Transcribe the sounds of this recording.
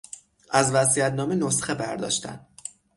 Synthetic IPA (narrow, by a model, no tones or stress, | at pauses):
ʔæzvæsiæt̪nɒːmenosxebæɾd̪ɒ̰ʃt̪æ̰n